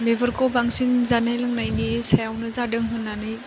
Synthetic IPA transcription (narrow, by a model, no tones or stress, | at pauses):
mebʱɐɾkobaŋsiŋzanajlɐŋnajnisajawnɐzadɯŋɦɯnːanɯj